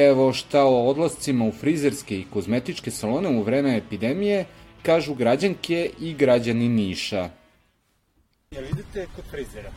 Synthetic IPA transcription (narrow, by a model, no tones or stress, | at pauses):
eʋo̞ʃt̪aood̪lˠast̪simaufɾizeɾske̞ikozme̞t̪it͡ʃke̞salo̞neuʋɾeːmeepid̪emije̞ | kaːʒuɡɾad͡ʑaŋkeʔiɡɾad͡ʑaniniːʃa